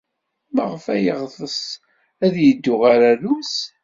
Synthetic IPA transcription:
məʁəfæjəʁðəs | æðjəd̪ːʊʁaɾæɾus

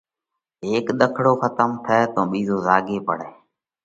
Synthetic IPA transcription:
eːkɗ̪əkʰɽoːxət̪əmt̪ʰəɛːt̪õːɓiːzoːzaːɡeːpə̰ɽ̤eː

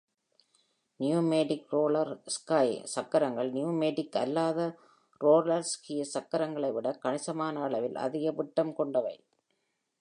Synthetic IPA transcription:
njuːmeːɖɪkɾoːɭɐɾskɐɪsɐkːɐɾɐŋɡɐɭnɪjuːmeːɽɪkːɐ̰lːaːðɐ | ɾoːɾlɐɾskɪjɐsɐkːɐɾɐŋɡɐɭɐɪʋɪɽɐkɐɳɪsɐmaːnɐːɭɐʋɪlɐ̰ðɪɣɐpɪʈːɐmkɔɳɖɐʋɐɪ

